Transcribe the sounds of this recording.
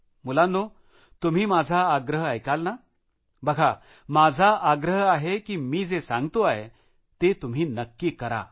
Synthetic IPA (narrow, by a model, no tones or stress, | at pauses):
mulanːo | t̪um̤iːmad͡zʱaːɡɾəɦajkalna | bəɡʱa | mad͡zʱaaɡɾəɦaɦekiːmiːd͡zesãŋɡt̪oaɦḛ | t̪et̪um̤iːnəkːikəɾa̰